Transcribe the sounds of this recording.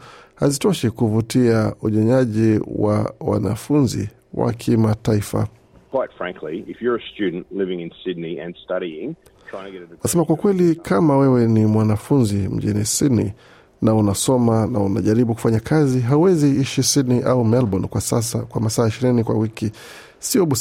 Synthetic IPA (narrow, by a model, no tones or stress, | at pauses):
hazitɔʃikuvutiauɲɔɲaʄiwa̰wa̰na̰funzḭ | wa̰kʰimataifa̰ | kʰw̥aɪtfɹæ̃ŋkʰliɪfjə˞ɨstʉdⁿn̩ʔlɪvɪ̃ŋɨ̃nsɪdⁿniɨ̰̃nstʌɾiɪ̃ŋ̥ʰ | aɪɪ̃ŋʰtɨɡɛɾnasɛmakwakwɛlikamawɛwɛnimwanafunzim̩ʄinisidnḭ | naunasɔmanauna̰ʄaɾiɓuku̥faɲakʰaziɦauwɛziiʃisidniʔaumɛlbɔnkwasas̬a̰kwamasaːiʃiɾinikwa̰wiki | siɔɓu